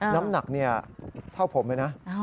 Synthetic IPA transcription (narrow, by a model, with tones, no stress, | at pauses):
na˦˥mna˨˩k̚ni˥˩ɐt̪ʰa˥˩wpʰo˩˦mːlaː˦˥jna˦˥